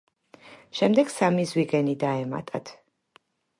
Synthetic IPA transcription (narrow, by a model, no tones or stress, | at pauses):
ʃɛmd̪ɛɡsamizwiʁɛnid̪aɛma̰t̪ʼat̪ʰ